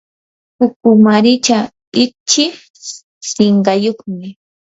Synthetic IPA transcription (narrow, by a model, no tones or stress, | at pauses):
hʊkʊmaɾɪt͡ʃa | ɪt͡ʃɪ | sɪɴɢɑjoχmɪ